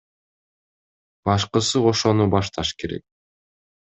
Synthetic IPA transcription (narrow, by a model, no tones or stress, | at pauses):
bɑʃqɯsɯo̞ʃo̞nubɑʃt̪ʰɑʃke̞ɾe̞̰k̚